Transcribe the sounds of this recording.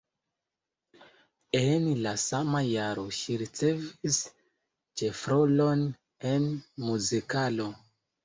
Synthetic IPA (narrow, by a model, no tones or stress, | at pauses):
enlasamajaɾo̞ʃiɾit͡se̞vis | t͡ʃefɾolon | enmuzikalo̞